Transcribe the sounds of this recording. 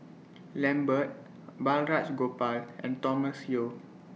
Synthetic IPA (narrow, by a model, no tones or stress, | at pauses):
lɛ̃mbət̚ | balɹat͡ʃɡopalʔɛ̰̃ntɔməsjio